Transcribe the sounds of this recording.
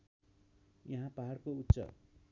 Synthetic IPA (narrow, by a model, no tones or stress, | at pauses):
jʌɦãpaɦarkout̪ːsʌ̰